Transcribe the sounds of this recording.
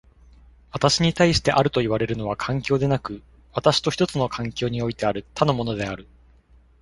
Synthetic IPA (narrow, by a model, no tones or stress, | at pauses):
βat̪aɕiɲ̟it̪aiɕi̥t̪e̞ʔaɾɯ̟t̪o̞iβaɾe̞ɾɯ̟no̞β̞akʰãŋkʲo̞ːd̪e̞nakɯ̟ | βat̪aɕi̥t̪o̞çi̥t̪o̞t͡sɨno̞kʰãŋkʲo̞ːɲ̟io̞it̪e̞aɾɯ̟t̪ʰano̞mo̞no̞d̪e̞aɾɯ̟